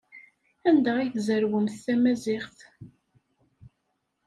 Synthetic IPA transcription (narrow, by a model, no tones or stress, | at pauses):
ænd̪æʁiθzəɾwəmθːæmæzɪχθ